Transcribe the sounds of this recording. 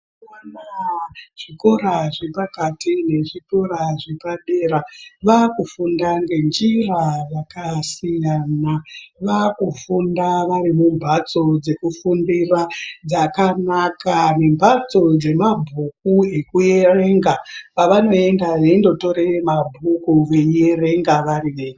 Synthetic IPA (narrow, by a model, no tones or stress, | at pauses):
wanaʐ̥iko̞ɾaʐepakatine̞ʐiko̞ɾaʐe̞paɓe̞ːɾaʋakufundaŋɡe̞nd͡ʒirajakasijanaʋakufundaʋaɾimumbʱat͡so̞d͡ze̞kufundirad͡zakanakane̞mbʱat͡so̞d͡ze̞mabʱukuekuje̞re̞ŋɡapaʋano̞e̞ndaʐeindo̞to̞ɾemabʱukuʋe̞je̞re̞ŋɡaʋaɾiʋeːɲ